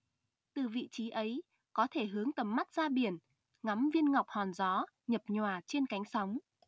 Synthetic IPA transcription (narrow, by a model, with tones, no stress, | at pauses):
t̪ɨ˨˩vḭ˧˨t͡ɕi˨˦ʔə˨˦j | kɔ˨˦t̪ʰe˧˩ɦɨ˨˦əŋt̪ə˨˩mːa˦˥t̚z̥aː˧ɓi˨˧˩ən | ŋa˨˦mvi˧ənŋa˨˩wk͡p̚hɔ˨˩nzɔ˨˦ | ɲə˨˩p̚ɲwaː˨˩t͡ɕe˧nka˨˦jŋ̟sa˨˦wŋ͡m